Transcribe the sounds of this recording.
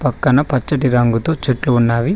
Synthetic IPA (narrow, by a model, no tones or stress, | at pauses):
pɐkːɐnɐpɐt͡ʃːɐʈiɾɐŋɡut̪oːt͡ʃeʈluunːaːʋi